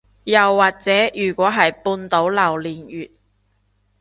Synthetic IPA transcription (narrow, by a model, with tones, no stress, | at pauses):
jɐ˨wːaː˨˩k̚t͡sɛː˨˥jyː˨˩kʷɔː˨˥ɦɐ˨jpuː˧nt̪o˨˥wlɐ˨˩wliː˨njyː˨t̚